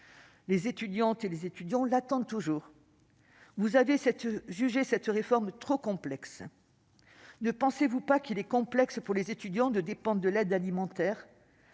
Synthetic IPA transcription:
lezet̪yd̪jɑ̃t̪elezet̪yd̪jɑ̃lat̪ɑ̃d̪̚t̪uʒuːʁ | vuzavesɛt̪ʒyʒesɛt̪ʁefɔʁmt̪χokɔ̃plɛks | nəpɑ̃sevupakilɛkɔ̃plɛkspuʁlezet̪yd̪jɑ̃d̪əd̪epɑ̃d̪ʁd̪əlɛd̪alimɑ̃t̪ɛːʁ

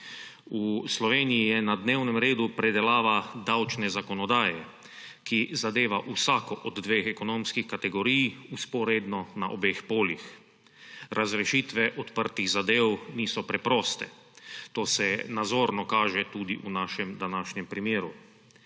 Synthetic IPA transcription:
uslɔʋeːnijijɛnad̪neːwnɛmɾeːd̪upɾɛd̪ɛlaːʋad̪awt͡ʃnɛzakɔnɔd̪aːjɛ | kizad̪eːʋaʔusaːkɔʔɔd̪d̪ʋeːxɛkɔnoːmskixkat̪ɛɡɔɾiːjuspɔɾed̪nɔnaʔobexpoːlḭx | ɾʔazɾɛʃiːt̪ʋɛʔɔt̪pəɾt̪iɣzad̪eːwniːsɔpɾɛpɾɔːst̪ɛ̰ | t̪oːsɛnazoːɾnɔkaːʒɛt̪ud̪iʔunaːʃɛmd̪anaːʃɲɛmpɾimjeːɾu

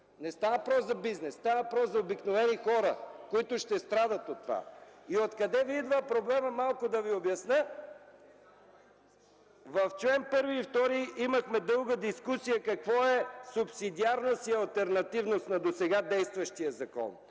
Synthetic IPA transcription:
nɛst̪avəpɾɔsɐbiznɛsst̪avəpɾɔszɐobiknovɛnixɔɾəkoit̪ʊʃt̪ɛst̪ɾad̪ət̪ot̪ːova̰iot̪kɐd̪ɛvid̪vəpɾoblɛməmalˠkʊd̪ɐviobjɐsnə | vɐft͡ʃlɛnpɤɾviːft̪ɔɾiimɐxmɛd̪ɤlˠɡəd̪iskusijəkɐkvɔɛsʊpsid̪iaɾnost̪iɐlˠt̪ɛɾnɐt̪ivnost̪nɐd̪osɛɡad̪ɛjst̪vəʃt̪ijəzɐkɔ̰n

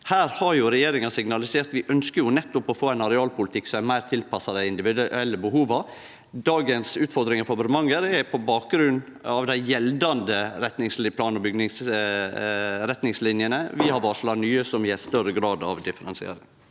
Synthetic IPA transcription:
hæːɾhɑɾjʊɾɛjeːɾɪŋɑsɪɡnɑlɪseːɾt̪ʋɪʔœnskəɾjʊnɛt̪ːʊpɔfoːæɪnɑɾɛɑːlpʊlɪt̪ʰɪkːsɔmæmæɪɾt̪ʰɪlpʰɑsɑd̪əɪnd̪ɪʋɪd̪ʉɛlːəbəhuːʋɑɾ | d̪ɑːɡənsʉːt̪fɔɾd̪ɾɪŋɑfɔbɾmɑŋəɾɛpʰɔbɑːk̚ɡɾʉnː | ɑʋd̪æɪjɛld̪ɑnd̪əɾɛt̪nɪŋslpʰlɑːnɔbʏɡnɪŋs | ɾɛt̪nɪŋslɪnjənəʋɪhɑɾʋɑːʂlɑnyːəsɔmʋɪæst̪œɾəɡɾɑːd̪ɑ̰ʋd̪ɪfəɾɛnsɪḛːɾɪŋ

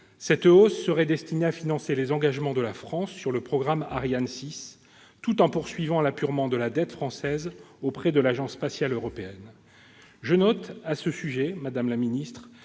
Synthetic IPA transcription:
sɛt̪osːəʁɛd̪ɛst̪ineafinɑ̃selezɑ̃ɡaʒmɑ̃d̪əlafχɑ̃sːyʁləpχɔɡʁamaʁjansis | t̪ut̪ɑ̃puʁsɥivɑ̃lapyʁmɑ̃d̪əlad̪ɛt̪fχɑ̃sɛzopχɛd̪əlaʒɑ̃sːpasjaløʁɔpeɛn | ʒənɔt̪asəsyʒɛmad̪amlaminist̪χ

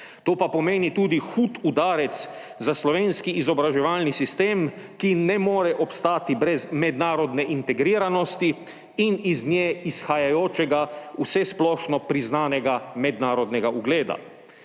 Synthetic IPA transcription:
t̪oːpapɔmeːnit̪uːd̪ixuːt̪ud̪aːɾɛt̪s | zaslɔʋeːnskiʔːzɔbɾaʒɛʋaːlnisist̪eːmkinɛmoːɾɛʔɔpst̪aːt̪ibɾɛzmɛd̪naːɾɔd̪nɛʔint̪ɛɡɾiːɾanɔst̪i | iniznʲjeːisxajajoːt͡ʃɛɡausɛsplɔːʃnɔpɾiznaːnɛɡamɛd̪naːɾɔd̪nɛɡaʔuɡleːd̪a̰

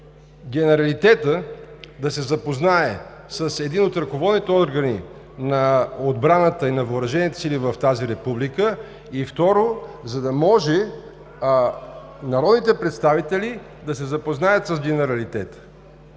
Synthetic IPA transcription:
ɡʲɛnɛɾɐlit̪ɛt̪əd̪ɐsɛzɐpoznaɛ | səsɛd̪inot̪ɾɐkovɔd̪nit̪ɛɔɾɡəni | nɐod̪bɾanət̪əinɐvəːɾɐʒɛnit̪ɛ̥silivəft̪aziɾɛpublikə | ift̪ɔɾozɐd̪ɐmɔʒɛ | nɐɾɔd̪nit̪ɛpɾɛt̪st̪avit̪ɛli | d̪ɐsɛzɐpoznajət̪səzɡɛnɛɾɐlit̪ɛt̪ə̥

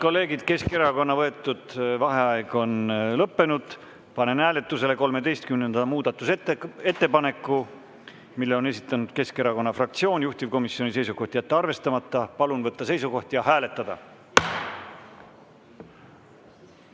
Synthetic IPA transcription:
ko̞lːe̞ːɡid̪̥ke̞skeɾɑko̞nːɑvɤ̞e̞t̪ːˑud̪̥vɑɦe̞ɑeɡ̥o̞nlɤpːe̞nud̪̥ | pɑne̞nhæːle̞t̪ːˑuse̞le̞ko̞lme̞d̪e̞jst̪kymnend̪ɑmuːd̪̥ɑt̪ːˑuseet̪ːe̞pɑne̞kːu | milːeo̞ne̞sit̪ːˑɑnud̪̥̚ke̞ske̞ɾɑko̞nːɑfrɑk̚t̪sio̞ːnjuht̪ivko̞misjo̞nise̞jsuko̞ht̪ijæt̪ːeɑrve̞st̪ɑmɑt̪ːɑpɑlunvɤt̪ːɑse̞jsuko̞ht̪jɑhæːle̞t̪ːˑɑd̪̥ɑ̰

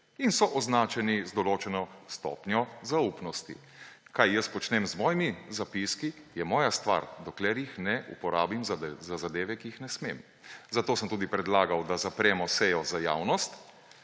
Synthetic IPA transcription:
insɔʔɔznaːt͡ʃɛnizd̪ɔloːt͡ʃɛnɔst̪ɔ̰ːpnjɔzaupnɔst̪ḭ | kajːəspɔt͡ʃnɛmzmɔːjimizapiskijɛmɔːjast̪ʋa̰ɾd̪ɔklɛɾjixnɛʔṵpɔɾaːbimzzazad̪eːʋɛkiixnɛsmḛːm | zat̪oːsəmt̪uːd̪ipɾɛd̪laːɡawd̪azapɾɛːmɔsɛjɔzaja̰ːwnɔst̪

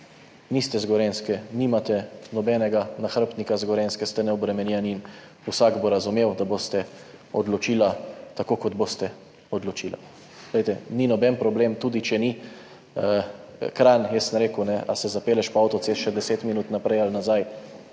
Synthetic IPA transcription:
nist̪ɛzɡɔɾenskɛnimat̪ɛnɔbɛːnɛɡanaxɾəpt̪nikazɡɔɾenskɛst̪ɛnɛɔbɾɛmɛnjɛnin | usaɡboɾazumewd̪abost̪ɛ | ɔd̪lɔt͡ʃiːlat̪akokɔd̪bost̪ɛ | ɔd̪lot͡ʃila̰ | ɡ̥lɛjt̪ɛninɔbɛnpɾɔblemt̪uːd̪it͡ʃɛni | kɾanjɛsnɾeːkunɛʔa̰sɛzapeːlɛʃpɔawt̪ɔt̪sesʃɛd̪ɛseːt̪minut̪napɾɛjalnazaj

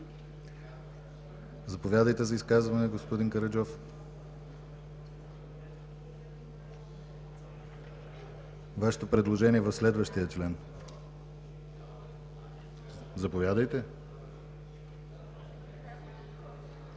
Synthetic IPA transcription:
zɐpovʲjad̪əjt̪ɛzɐiskazvɐnɛɡospod̪iŋkɐɾɐd͡ʒɔf | vaʃɛ̥t̪opɾɛd̪lˠoʒɛniɛvɐfslɛd̪vəʃt̪ijət͡ʃlɛn | zɐpovʲjad̪əjt̪ɛ

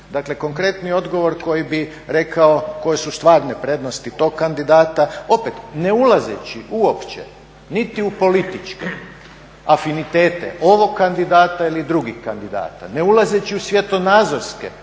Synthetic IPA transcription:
d̪akle̞ko̞ŋkɾe̞t̪nio̞d̪ɡo̞ʋo̞ɾko̞jibi | ɾe̞kʰaoko̞jesust̪ʋaːɾnepɾe̞d̪nost̪it̪o̞ɡkand̪id̪aːt̪ao̞pet̪ne̞ulazḛt͡ɕiʔuo̞pt͡ʃḛ | nit̪iupo̞lit̪it͡ʃke | afinit̪e̞ːt̪ḛʔo̞ʋo̞ɡkːand̪id̪aːt̪ailid̪ɾuɡixkand̪id̪a̰ːt̪a̰ne̞ulazet͡ɕiusʋjet̪o̞nazoɾskḛ

